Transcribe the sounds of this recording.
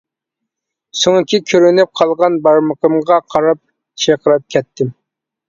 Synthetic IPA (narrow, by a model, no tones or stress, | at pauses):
soŋkʲʰikʲʰøɾynyp̚qʰɑlˠʁɑnbɑɾməqəmʁɑqʰɑɾɑp̚ | t͡ʃʰeqəɾɨp̚kʲʰɛt̪ʰːɪm